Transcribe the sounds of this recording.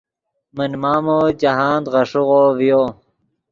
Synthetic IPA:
mənmaːmod͡ʑɐɦaːnd̪ʁɐʂuɣoːvijoː

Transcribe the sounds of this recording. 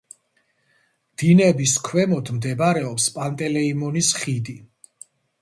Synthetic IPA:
d̪̥inɛbiskʰwɛmɔd̪md̪ɛbaɾɛɔpspʼant̪ʼɛlɛimɔnisχid̪i

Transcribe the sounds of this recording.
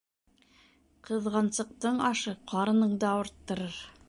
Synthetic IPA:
qɤ̆ðʁɑnsɤ̆q̚t̪ɤɴɑʃɤqʰɑɾɤ̆nɤɴd̪ɑŏɾt̪ːɤ̆ɾɤɾ

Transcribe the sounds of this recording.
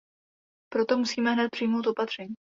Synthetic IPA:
pɾo̞t̪o̞musiːmɛɦnɛt̪̚pr̥ijmo̞wt̪o̞pat̪r̝̥ɛɲiː

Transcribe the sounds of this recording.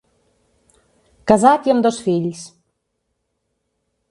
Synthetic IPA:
kazat̪ʲjəmd̪osfilʲs

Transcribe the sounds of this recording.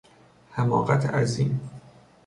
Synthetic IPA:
hæmɒ̰ːɣæt̪ʰæziːn

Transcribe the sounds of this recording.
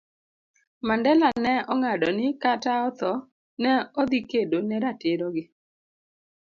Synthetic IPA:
mandɛlanɛɔŋadɔnɪkataɔt̪ɔ | nɛɔd̪ikedonɛɾateɾɔɡɪ

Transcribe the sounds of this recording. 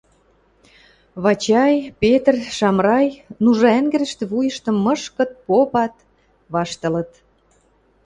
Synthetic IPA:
βɑt͡ɕɑjpet̪rʃɑmrɑjnuʒɑæŋɡɘ̆ɾə̆ʃt̪ĕβujə̆ʃt̪ə̆mːə̆ʃkə̆t̪̚popɑt̪ | βɑʃt̪ə̆lə̆t̪

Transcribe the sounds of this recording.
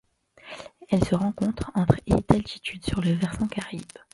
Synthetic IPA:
ɛlsəʁɑ̃kɔ̃t̪χɑ̃t̪χḛd̪̥alt̪ʰi̥t̪ʰyd̪syʁləvɛʁsɑ̃kaʁib̥

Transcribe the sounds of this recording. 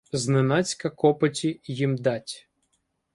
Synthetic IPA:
znenɑt͡sʲkɐkɔpɐtʲijimd̪ɑtʲ

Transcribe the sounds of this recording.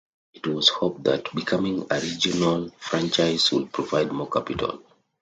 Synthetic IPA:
itwɔshop̚ðatbikʰamĩŋə̰ɹid͡ʒɔnalfɹãnt͡ʃaɪzwḭd̚pʰɹɔvaɪd̚mɔkʰapitʰə̰l

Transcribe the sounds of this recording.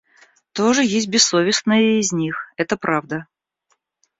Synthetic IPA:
t̪oʐɨjesʲt̚ʲbʲɪsːovʲɪsnəjəɪzʲnʲixɛt̪əpɾʔavd̪ə

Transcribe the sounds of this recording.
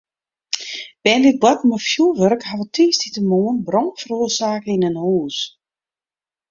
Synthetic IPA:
b̥ɛːnlit̚blakməfjulˠʋørkhaʋətʰiːstitəmuːənbrɔŋfəɾoəsaːkəinənuːs

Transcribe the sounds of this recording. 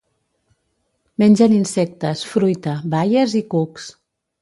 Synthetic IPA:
mɛnʲd͡ʒəninsɛk̚t̪əsfɾujt̪əβajəzikuks

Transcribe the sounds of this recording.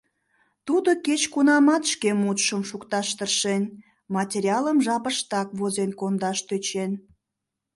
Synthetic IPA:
t̪ud̪oket͡ɕkunɑmɑt̪ʃkemut̪ʃəmʃukt̪ɑʃt̪ərʃen | mɑtʲeɾʲiɑləmʒɑpəʃt̪ɑkβozenkond̪ɑʃt̪øt͡ɕen

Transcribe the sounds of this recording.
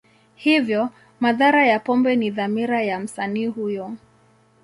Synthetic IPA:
hivjɔ | maðaɾajapɔmbɛniðamiɾajam̩saniːhujɔ

